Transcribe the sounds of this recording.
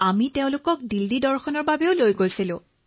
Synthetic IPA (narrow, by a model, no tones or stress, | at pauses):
amiteʊ̃lʊkɔk̚dildidɔɹxɔnɔɹbabeʊlojɡojsilʊ̃